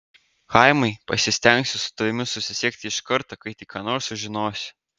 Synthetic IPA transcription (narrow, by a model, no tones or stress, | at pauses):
kɐɪmɐɪpɐsʲɪsʲt̪ʲɛŋʲksʲʊsʊ̥t̪ɐʋʲɪmʲɪsʊsʲɪsʲiɛk̚ʲt̪ʲɪɪʃkɐɾt̪ɐkɐɪt̪ʲikɑːnoːɾʃsʊʒʲɪnoːsʲ